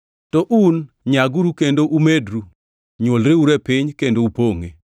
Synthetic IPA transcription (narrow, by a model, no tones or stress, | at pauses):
tɔʔun | ɲaɡuɾukendoʔumedɾu | ɲwolɾeuɾɛpɪɲkendoupoŋe